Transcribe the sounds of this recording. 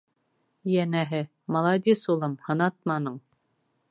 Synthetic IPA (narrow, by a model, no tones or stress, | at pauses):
jænæɦɘ | mɑlˠɑd̪isulˠɤmhɤ̆nɑt̪̚mɑnɤɴ